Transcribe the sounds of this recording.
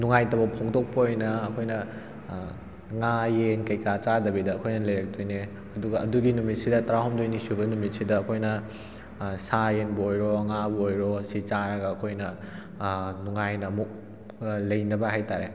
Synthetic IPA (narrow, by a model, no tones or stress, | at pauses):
nuŋajtɐbɐpʰoŋdok̚pɐojnɐːkʰojnɐ | ŋajenkɐjkat͡ʃadɐbidɐːkʰojnɐlɐjɾɐk̚tʰujne | ɐduɡɐʔɐduɡinumit̚sidɐtɐɾaɦɔmdojnisubɐnumit̚sidɐɐkʰojnɐ | sajenbɐojɾoŋabɐojɾosit͡ʃaɾɐɡɐːkʰojnɐ | nuŋajnɐːmuk̚ | lɐjnɐbɐɦajtaɾe